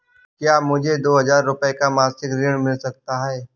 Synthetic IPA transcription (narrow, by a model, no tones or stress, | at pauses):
kjaːmʊd͡ʒʱed̪oːɦɐzaːɾːʊpəekamaːsɪkɾɪɽ̃mɪlsɐk̚t̪aɦɛː